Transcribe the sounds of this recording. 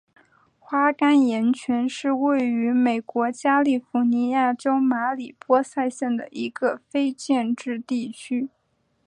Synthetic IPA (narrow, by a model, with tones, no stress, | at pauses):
xwa˥ka˥njɛ˧˥nt͡ɕʰɥɛ˧˥nʂɻ̩˥˧we˥˩ɪy˧˥me˨˩ɪkwɔ˧˥t͡ɕja˥li˥˩fu˧˥ni˧˥ja˥˩ʈ͡ʂo˥ʊma˧˥li˨˩pwɔ˥sa˥˧ɪɕjɛ˥˩nd̪ə̰˩ʔi˧˥ɡə˧fe˥ɪt͡ɕjɛ˥˧nʈ͡ʂɻ̩˥˧t̪i˥˩t͡ɕʰy˥